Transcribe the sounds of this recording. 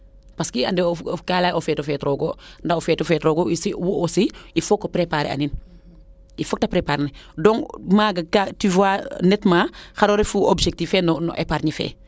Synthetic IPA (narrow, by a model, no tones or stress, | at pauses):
paskia̰ndɛokaːlajʔofɛːtofɛtɾoɡondaofɛːtɔfɛtɾoɡoisiwuʔosiifokːopɾepaːɾḛa̰nin | ifok̚tapɾepaɾnɛdɔŋmaːɡakativwanɛtmaxaɾoːɾefuʔobʃek̚tifɛnɔnɔ̰ʔḛpaːɾɲifɛ̰ː